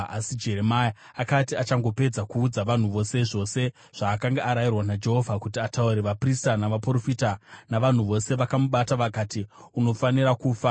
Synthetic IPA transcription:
asid͡ʒe̞ɾe̞maja | akatiat͡ʃaŋɡo̞pe̞d͡zakuːd͡zaʋan̤uʋo̞se̞ʐo̞ːse̞ | ʐ̥aːkaŋɡaʔaɾajirwanad͡ʒe̞ɦo̞vʱakutiatauɾe̞ʋapristanaʋapro̞fitanaʋan̤uʋo̞se̞ʋakamuɓataʋakatiuno̞faniɾakuːfa

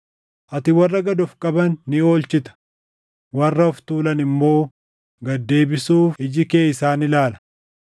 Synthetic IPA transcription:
ʔɐt̪ɪwɐrːɐɡɐd̪ɔfkʼɐbɐnːɪo̞ːlt͡ʃɪt̪ɐ̥ | wɐrːɐɔft̪uːlɐnɪmːo̞ː | ɡɐd̪ːe̞ːbɪsuːfɪd͡ʒɪke̞ːɪsaːnɪlaːlɐ̥

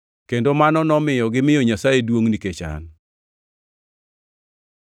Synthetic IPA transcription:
kendomanɔnɔmɪjɔɡɪmɪjɔɲasajedwoŋniket͡ʃa̰n

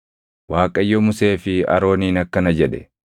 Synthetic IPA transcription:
waːkʼɐjːɔmʊse̞ːfɪɐ̰ɾo̞ːniːnɐkːɐnɐd͡ʒɛᶑɛ̰

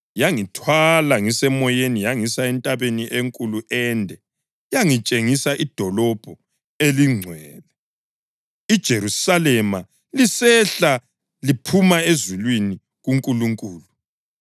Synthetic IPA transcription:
jaŋitʰwalaŋisɛmɔjenijaŋisaɛntʼaβeniʔeŋkʼuluʔɛndʱɛ | jaŋit͡ʃʼeŋisaʔid̥ʱɔlɔb̥ʱɔ | eliŋ͡ǀʱwɛːlɛ | id̥ʒ̥ʱeɾusalɛma | lisɛɬa | lipʰumaezilwini | ɣuŋkʼuluŋkʼuːlu

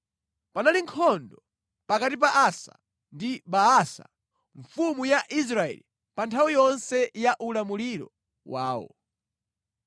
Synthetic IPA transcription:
panaliŋkʰɔndɔ | pakatip̬aʔasa̰ | ndibaasa̰ | ɱfumujaʔis̬ɾaɛ̰li | pantʰawijɔnsɛjaʔulamuliɾɔ̰ | waːwɔ̰

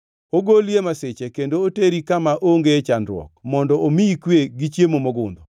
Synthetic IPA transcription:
oɡoljemaset͡ʃekendooteɾikamaʔoŋɡet͡ʃandɾwɔ̰k̚mɔndɔʔomiikweɡit͡ʃjemomɔɡʊnd̪ɔ

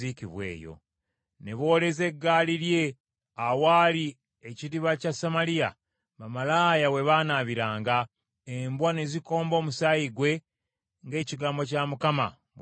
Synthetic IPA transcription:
ikiβwe̞̰ːjo̰ | ne̞βo̞ːle̞ze̞ɡːaːliɾje̞ | awaːli | eciɾiβacasamalia̰ | βamalaːjawe̞βaːnaβiɾaːŋɡa | embwane̞ziko̞ːmbo̞ːmusajiɡwe̞ | ŋɡe̞ːciɡaːmbo̞camukama̰

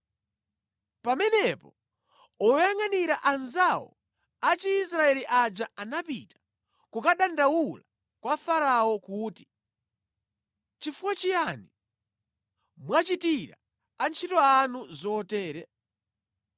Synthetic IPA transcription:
pamɛnɛpɔ | ɔjaŋaniɾaʔanzawɔ̰ | at͡ʃiːsɾaɛliʔad͡ʒaanapitḁ | kukaɗandawula | kwafaɾaɔkuːti | t͡ʃifuwat͡ʃijani | mwat͡ʃitiɾa̰ | ant͡ʃʰitɔanuzɔtɛːɾɛ

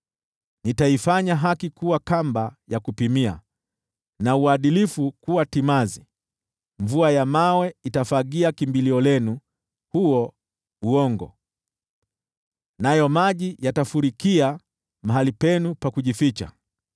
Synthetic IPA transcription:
nitaifaɲaɦakikuwakambajakupimia̰ | nauaɗilifukuwatimazi | ɱvuajamawɛitafaɠiakimbiliɔlɛnu | huɔ | uɔŋɡɔ̰ | najɔmaʄijatafuɾikia | maɦalipɛnupakuʄifit͡ʃa̰

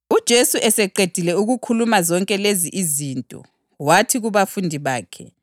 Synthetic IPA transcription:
ud̥ʒ̥ʱesuʔɛsɛǃed̥ʱilɛuɣukʰulumazɔŋkʼɛleziʔizintʼɔ̰ | watʰiɣuβafundʱiβaːkʰɛ̰

